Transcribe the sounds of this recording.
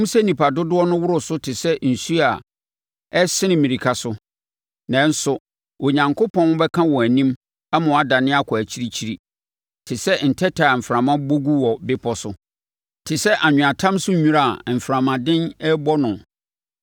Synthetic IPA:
m̩˦sɛ˦nĩ˨pa˨dʊ˦dʊ˦ɔ˦nʊ̃˦wʊ˦ɾʊ˨sʊ˦tʰɪ˨sɛ˦n̩˨su˦a˨ | ɛ˦sɪ˦nɪ̃˦mĩ˨ɾi˨kʰa˨sʊ˦ | nã˨n̩˦sʊ˨ | o˨ɲã˨ŋkʰʊ˦pʰɔ̃˦n˦bɛ˦kʰã˦wɔ̃˨æ˨nĩ˦m | a˦mã˨a˦da˨nɪ̃˦a˦kʰɔ˨æ˨t͡ɕʰi˦ɾi˦t͡ɕʰi˦ɾi˨ | tʰɪ˨sɛ˦n̩˨tʰɛ˦tʰa˨m̩˨fɾã˨mã˦bo˦ɡu˦wɔ˨bɪ˦pʰɔ˦sʊ˦ | tʰɪ˨sɛ˦ʔa˨ɲᶣʊ̃˨a˨tʰã˦msʊ˦ɲᶣũ˦ɾa˨m̩˨fɾã˨mã˨dɪ̃˦nɛ˦bɔ˦nʊ̃˨

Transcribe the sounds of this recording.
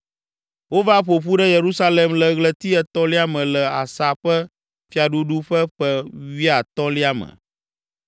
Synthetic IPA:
wo˦va˦ɸo˨ɸu˦ɖɛ˦je˨ɾu˦sa˦le˨mlɛ˨ɣlɛ˦t̪i˦ɛ˦t̪ɔ˦li˦a˦mɛ̃˨lɛ˨a˨sa˨ɸɛ˦ | fi˨a˨ɖu˦ɖu˦ɸɛ˦ɸɛ˦wi˦a˨t̪ɔ˦li˦a˦mɛ̰̃˨

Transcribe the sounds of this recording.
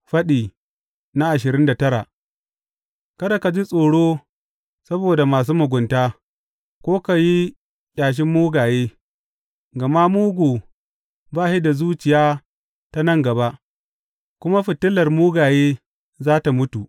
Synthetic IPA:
ɸɐ˦ɗiː˨ | na˦ʔa˨ʃɪ˨ɾɪ˦nda˨tɐ˦ɾa˨ | kɐ˦da˨ka˨d͡ʒi˦sʼoː˨ɽoː˦ | sɐ˦boː˨da˨maː˨s̬uː˦mʊ˨ɡʷʊ˨ntaː˦ | kʷoː˦ka˨ji˦ | ɗaː˨ʃ̬ɪ˦mːuː˦ɡaː˨jeː˦ | ɡɐ˨ma˦muː˦ɡʷoː˨ | baː˦ʃi˦da˨zuː˦t͡ʃɪ˨jaː˦ | ta˦nɐ˦˨ŋɡɐ˨ba˦ʔ | kʷʊ˦ma˦ɸɪ˨tɪ˦lɐ˨rmuː˦ɡaː˨jeː˦ | zaː˦ta˨mʊ˦tu˨

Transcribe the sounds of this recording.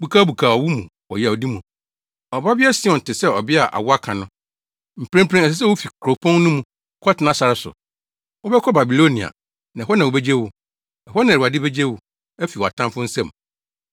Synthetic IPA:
bu˨kʰaː˦bu˨kʰaː˨ɔ˨wu˦mũ˨ | ɔ̰˨jɛ˨a˨ɔ˨di˦mũ˨ | ɔ˨ba˦bɪ˦ɛ˦sɪ̃˦ɔ˨n̩˨tɪ˨sɛ˦ɔ˨bɪ˦a˨ʔa̰˨wɔ˦a˦kʰã˨nʊ̃˦ | m̩˨pɾẽ˦m˦pʰɾẽ˦ɛ˨s̬ɛ˦s̬ɛ˦wʊ˦fi˨kʰɾo˨pʰɔ̃˦n˦nʊ̃˦mũ˨ | kʰɔ˦tɪ˨˦nã˦sa˨ɾɪ˨sʊ̰˨ | wɔ˦bɛ˦kʰɔ˦ba˨bi˨lo˦nĩ˨a̰˨ | nã˨ɦɔ˦nã˨wo˨be˦d͡ʑe˦wʊ˨ | ɛ˨hɔ˦nã˨ɾa˨dɪ˦be˦d͡ʑe˦wʊ˨ | ɛ˦fi˨wɔ˨a̰˨tʰã˦mfʊ˦n̩˦sɛ̃˦˨m

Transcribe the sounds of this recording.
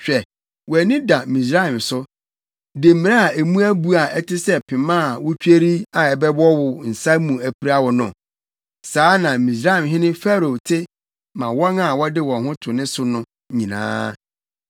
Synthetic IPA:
ɕᶣɛ˨ | wɔ˨æ˨nĩ˦da˨mĩ˨sɾa˦ĩ˨msʊ˦ | de˨m̩˦mɪ̃˨a˦a˨æ˨mũ˦æ˦bu˦a˨ɛ˦tʰɪ˦sɛ˦pʰɪ̃˨mã˦˨wʊ˦t͡ɕᶣe˦ɾi˦a˨ɛ˨bɛ˦bɔ˦wʊ˨n̩˨sa˦mũ˨æ˨pʰi˦ɾa˦wɔ˨nʊ̃˨ | saː˨˦nã˨mĩ˨s̬ɾa˦ĩ˨mɦɪ̃˦nɪ̃˦fɛ˦ɾo˨tʰɪ˦ | mã˨wɔ˦na˨wɔ˦dɪ˦wɔ̃˨ɦʊ̃˦tʰʊ˨nɪ̃˦sʊ˦nʊ̃˦ | ɲĩ˨nã̰ː˦

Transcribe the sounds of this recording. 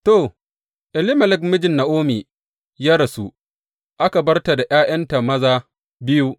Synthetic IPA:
to˨ | ʔɪ˨lɪ˦mɐ˨lɪ˦k̚mɪ˦d͡ʒɪ˨nːa˨ʔoː˦miː˨ | ja˦ɾɐ˨su˦˨ | ʔa˦ka˨bɐ˦rta˨da˨j̰aː˦j̰ɐ˦nta˨mɐ˦zaː˦ | bɪ˦ju˦

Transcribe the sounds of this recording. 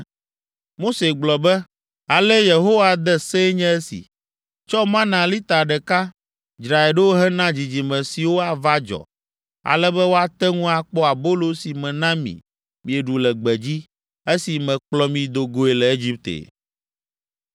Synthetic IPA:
mo˦se˨ɡ͡blɔ˨bɛ˦ | a˨lɛ˦je˨ɦo˦wa˨d̪ɛ˦se˦ɲɛ̃˦ɛ˦sḭ˨ | t͡ʃɔ˦mã˦nã˨li˦t̪a˨ɖɛ˨ka˦ | i˦d͡ʒɾa˨e˨ɖɛ˦wo˦ɦɛ˦nã˦d͡ʑi˨d͡ʑi˨mɛ̃˨si˨wo˦a˨va˦d͡ʒɔ̰˨ | a̰˨lɛ˦bɛ˦wo˦a˨t̪ɛ˦ŋũ˦a˨k͡pɔ˦a˨bo˦lo˦si˨mɛ̃˨nã˦mḭ̃˨ | mĩ˨ɛ˨ɖu˨lɛ˨ɡ͡bɛ˨d͡ʑi˦ | e˦si˨mɛ̃˨k͡plɔ˦mĩ˨d̪o˨ɡo˦e˨lɛ˨e˦d͡ʑi˦p̚t̪ḛ˨

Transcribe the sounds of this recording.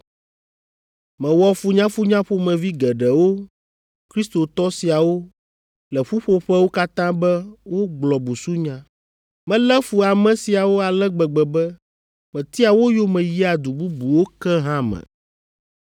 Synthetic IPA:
mɛ̃˨wɔ˦fu˦ɲã˦fu˦ɲã˦ɸo˦mɛ̃˨vi˦ɡɛ˨ɖɛ˨wo˦ | kɾi˦st̪o˨t̪ɔ˦si˨a˨wo˦ | lɛ˨ɸu˦ɸo˦ɸɛ˦wo˦ka˦t̪ã˦bɛ˦wo˦ɡ͡blɔ˨bu˨su˦ɲã˦ | mɛ̃˦lɛ˦fu˨a˨mɛ̃˨si˨a˨wo˦a˨lɛ˦ɡ͡bɛ˨ɡ͡bɛ˨bɛ˦ | mɛ̃˨t̪i˦a˨wo˦jo˦mɛ̃˨ji˦a˨d̪u˨bu˦bu˨wo˦kɛ˦ɦã˦mɛ̰̃˨

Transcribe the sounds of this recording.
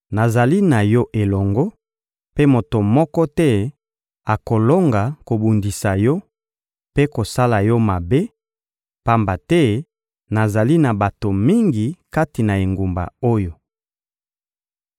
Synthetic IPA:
na˨za˨li˦na˨jɔ˦ʔe˨lɔ˨ŋɡɔ˦ | pe˦mo˨to˨mɔ˦kɔ˦tɛ˦ | a˨ko˨lo˦ŋɡa˨ko˨bu˨ndi˨sa˨jɔ˦ | pe˦ko˨sa˦la˨jɔ˦ma˨be˦ | pa˦mba˨tɛ˦ | na˨za˨li˦na˨ba˨to˨mi˦ŋɡi˨ka˦ti˨na˨e˨ŋɡu˨mba̰˨o˦jo˨

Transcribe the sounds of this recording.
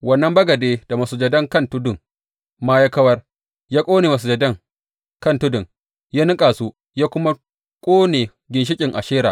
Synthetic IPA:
wɐ˦nːɐ˦mbɐ˦ɡɐ˨deː˦d̥a˨mɐ˨su˨d͡ʒɐ˨dɐ˦ŋkɐ˦ntʊ˦dʊ˨ŋ | maː˦ja˦kɐ˦wɐ˦r | jaː˦kʷʼoː˦neː˨mɐ˨s̬u˨d͡ʒɐ˨dɐ˦ŋ | kɐ˦˨ntʊ˦dʊ˨ŋ | jaː˦nɪ˦kʼaː˨suː˦ | jaː˦kʷʊ˦ma˦ | kʷʼoː˦neː˨ | ɡʲɪ˨nʃ̬ɪ˦kʲʼɪ˨ŋʔa˨ʃeː˦ɾaː˨

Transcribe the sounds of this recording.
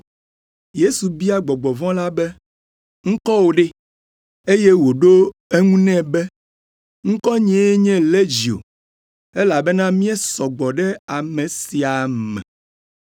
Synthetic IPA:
je˦su˨bi˦a˨ɡ͡bɔ˨ɡ͡bɔ˨vɔ̃˦la˦bɛ˦ | ŋ̩̃˦kɔ˦wo˨ɖe˦ | e˦je˦wo˨ɖo˦e˦ŋũ˦nɛ̃˦bɛ˦ | ŋ̩̃˦kɔ˦ɲĩ˨˦e˦ɲɛ̃˦le˦d͡ʑi˨o̰˨ | e˦la˨bɛ˦nã˦mĩ˦ɛ˦sɔ˨ɡ͡bɔ˨ɖɛ˦a˨mẽ˨si˨a˨mɛ̰̃˨

